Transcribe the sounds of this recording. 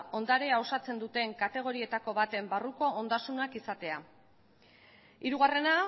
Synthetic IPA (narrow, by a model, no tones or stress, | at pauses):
o̞nd̪aɾeao̞sat͡se̞nd̪ut̪e̞ŋkat̪e̞ɣ̞o̞ɾie̞t̪ako̞βat̪e̞mbaruko̞ːnd̪asunakisat̪e̞a | iɾuɣ̞are̞na